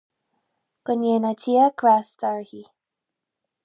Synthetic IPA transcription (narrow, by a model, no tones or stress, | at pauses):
kəneːnatʰiəkʰɾast̪aɹhi